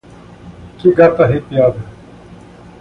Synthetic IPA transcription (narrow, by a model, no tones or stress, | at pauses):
kiɡat̪aɦiːpɪjaːd̪